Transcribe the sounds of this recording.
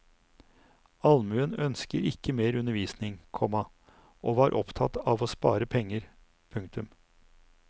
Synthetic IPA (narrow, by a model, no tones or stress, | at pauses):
ɑlmʉənœnskəɾɪkːəmeːɾʉnəɾʋiːsnɪŋkʰɔmɑ | ʔoːʋɑːɾʔɔpt̪ʰɑt̪ɑːʋoːspɑ̰ːɾəpʰɛŋːəɾ | pʰʉŋkt̪ʉm